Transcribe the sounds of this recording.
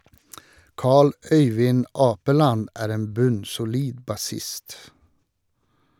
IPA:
ˈkɑːɭ ˈœʏʋɪn ˈɑːpəlɑn ˈæːɾ ˈeːn ˈbʉnsʊˌliːd bɑˈsɪst

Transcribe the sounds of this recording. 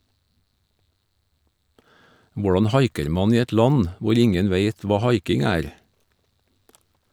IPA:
ˈʋʊɖɑn ˈhɑɪkəɾ ˈmɑn ˈiː ˈɛt ˈlɑn ˈʋʊɾ ˈɪŋən ˈʋeɪt ˈʋɑː ˈhɑɪkɪŋ ˈæːɾ

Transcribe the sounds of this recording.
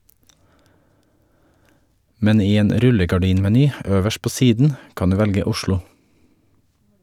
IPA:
ˈmɛn ˈiː ˈeːn ˈɾʉləɡɑˌɖiːnmɛˌnyː ˈøːʋəʃ ˈpoː ˈsiːdn̩ ˈkɑn ˈdʉː ˈʋɛlɡə ˈʊʃlʊ

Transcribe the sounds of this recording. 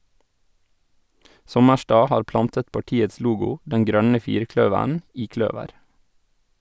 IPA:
ˈsɔməʃtɑː ˈhɑːɾ ˈplɑntət pɑˈʈiːəs ˈluːɡʊ ˈdɛn ˈɡɾœnə ˈfiːɾˌkɽœʋæɳ ˈiː ˈkɽœʋəɾ

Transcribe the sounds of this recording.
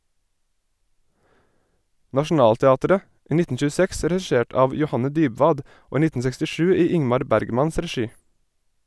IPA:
nɑʃn̩ˈɑːltɛˌɑːtəɾə ˈiː ˈnɪtn̩ ʃʉːˈsɛks dɾɛˈʃeːʈ ˈɑːʋ jʊˈhɑnə ˈdyːbʋɑːd ˈoː ˈiː ˈnɪtn̩ sɛkstɪˈʃʉː ˈiː ˈɪŋmɑɾ ˈbæɾɡmɑns dɾɛˈʃiː

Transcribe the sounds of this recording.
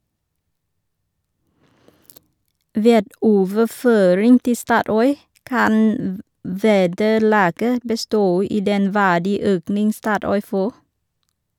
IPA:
ˈʋeːd ˈoːʋəˌføːɾɪŋ ˈtɪ ˈstɑːˌtɔʏ ˈkɑn m ˈʋeːdəˌlɑːɡə bəˈstoː ˈiː ˈdɛn ˈʋæːɖiːˌøːknɪŋ ˈstɑːˌtɔʏ ˈfoː

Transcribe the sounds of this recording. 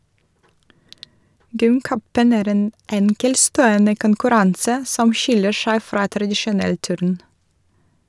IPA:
ˈɡʏmˌkœpən ˈæːɾ ˈeːn ˈɛŋkɛlˌstoːɔnə kʊnkʉˈɾɑnsə ˈsɔm ˈʃɪlə ˈʃæɪ ˈfɾɑː tɾɑdɪʃʊˈnɛl ˈtʉːɾn

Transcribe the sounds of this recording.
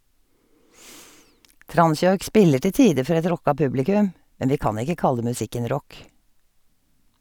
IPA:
ˈtɾɑnˌsjɔʏk ˈspɪlə ˈʈɪ ˈtiːə ˈfɔɾ ˈɛt ˈɾɔkɑ ˈpʉblɪkʉm ˈmɛn ˈʋiː ˈkɑːn ˈɪkə ˈkɑlə mʉˈsɪkən ˈɾɔk

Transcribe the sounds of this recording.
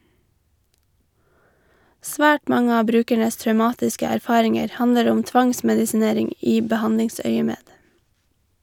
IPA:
ˈsʋæːʈ ˈmɑŋə ˈɑː ˈbɾʉːkæɳəs tɾœʉˈmɑːtɪskə æɾˈfɑːɾɪŋəɾ ˈhɑnəɾ ˈʊm ˈtʋɑŋsmɛdɪsɪˌneːɾɪŋ ˈiː bəˈhɑndɪŋˌsœʏəmeːd

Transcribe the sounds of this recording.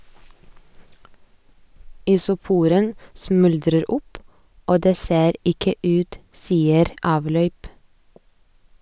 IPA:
ɪsʊˈpuːɾən ˈsmʉldɾəɾ ˈʊp ˈoː ˈdeː ˈseːɾ ˈɪkə ˈʉːt ˈsiːəɾ ˈɑːʋlœʏp

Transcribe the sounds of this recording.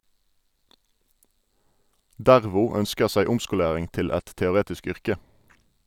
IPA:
ˈdæʁʋʊ ˈœnskəʁ ˈsæɪ ˈʊmskʊˌleːʁɪŋ ˈtɪl ˈɛt tɛʊˈʁeːtɪsk ˈʏʁkə

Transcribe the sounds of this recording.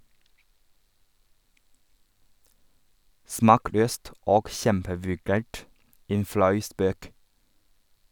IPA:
ˈsmɑːˌkløːst ˈoːɡ ˈçɛmpəʋʉˌɡæːʈ ˈeːn ˈflɑʉ ˈspøːk

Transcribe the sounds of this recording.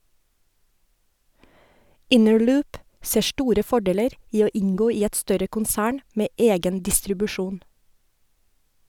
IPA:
ˈɪnəɹˌlʉːp ˈseː ˈʃʈuːɾə ˈfɔɖeːləɾ ˈiː ˈoː ˈɪŋˌɡoː ˈiː ˈɛt ˈstœɾə kʊnˈsæːɳ ˈmeː ˈeːɡən dɪstɾʉbʉˈʃuːn

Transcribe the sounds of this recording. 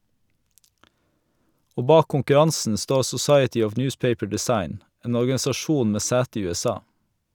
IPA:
ˈoː ˈbɑːk kʊŋkʉˈɾɑnsn̩ ˈstoː sʊˈsɑɪətɪ ˈɔʋ ˈnjʉːspeɪpə ɖɪˈsɑɪn ˈeːn ɔɾɡɑsɑˈʃuːn ˈmeː ˈsæːtə ˈiː ʉɛˈsɑː

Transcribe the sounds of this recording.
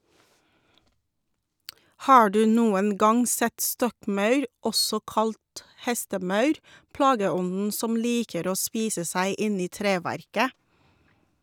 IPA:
ˈhɑː ˈdʉː ˈnuːən ˈɡɑŋ ˈsɛt ˈstɔkˌmɑʉɾ ˈɔsɔ ˈkɑlt ˈhɛstəˌmɑʉɾ ˈplɑːɡəˌɔnn̩ ˈsɔm ˈliːkəɾ ˈoː ˈspiːsə ˈsæɪ ˈɪn ˈiː ˈtɾeːˌʋæɾkə

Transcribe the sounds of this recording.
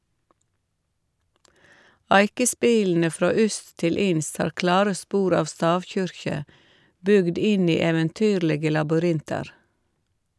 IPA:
ˈæɪkəˌspiːln̩ə ˈfɾoː ˈʏst ˈtɪl ˈɪnst ˈhɑːɾ ˈklɑːɾə ˈspuːɾ ˈɑːʋ ˈstɑːʋˌçʏɾçə ˈbʏɡd ˈɪn ˈiː ɛʋənˈtyːɾləɡə lɑbʏˈɾɪntɑɾ

